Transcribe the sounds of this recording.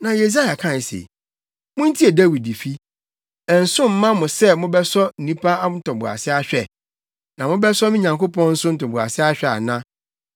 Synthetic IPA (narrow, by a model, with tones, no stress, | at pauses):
nã˨je˨s̬a˦ja˨kʰã˦˨n˨sḛ˨ | mʊ̃˦n̩˦tʰi˦e˨dæ˦wi˨di˨fi˦ | ɛ˨n̩˨sʊ̃˦m̩˦mã˦mʊ̃˨sɛ˦mʊ̃˦bɛ˦sɔ˦n̩˨ĩ˦pʰa˦n̩˦tʰʊ̃˨mbʊ˨a̰˨sɪ˦a˦ɕᶣɛ˨ | nã˨mʊ̃˦bɛ˦sɔ˦mɪ̃˦ɲã˨ŋko˦pʰɔ̃˦nn̩˦sʊ̃˦n̩˦tʊ̃˨mbʊ˨a̰˨sɪ˦a˦ɕᶣɛ˨a̰˨nã˦